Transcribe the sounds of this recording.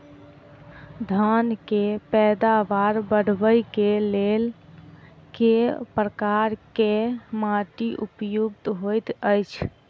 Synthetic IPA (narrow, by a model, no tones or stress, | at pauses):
d̪ʱənkepɛd̪aʋaɾbəɽ̤bəjkelel | kepɾəkaɾkemaʈiʔupjuɡ̚t̪ɦojt̪əjt͡ʃʰ